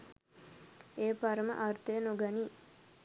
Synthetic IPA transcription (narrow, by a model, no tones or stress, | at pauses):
eːpaɾəmə̰ʔart̪ejənoɡaniː